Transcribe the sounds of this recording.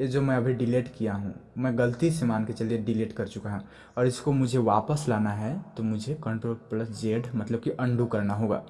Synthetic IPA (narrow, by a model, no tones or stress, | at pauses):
ed͡ʒoːmɛ̃ɐbʱiɖɪleːʈkijaɦṵ̃ːmɛ̃ːɡəlt̪isemãːnket͡ʃɐlieɖɪleːʈkɐɾt͡ʃʊkaɦɛ̃ | ɔːɾɪskomʊd͡ʒʱeʋaːpəslaːnaɦɛt̪omʊd͡ʒʱekə̃ɳʈɾoːlpləsd͡ʒeːɖmɐt̪ləb̚kiʔɐ̃ɳɖukɐɾnaɦoːɡa̰ː